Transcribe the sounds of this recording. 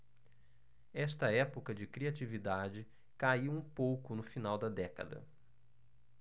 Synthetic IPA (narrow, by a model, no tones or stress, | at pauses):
ɛst̪ɐɛpʊkɐd͡ʒɪkɾiat͡ʃivid̪ad͡ʒɪ | kaiwũpowkʊnʊfinawd̪ɐd̪ɛkɐ̰d̪ɐ̰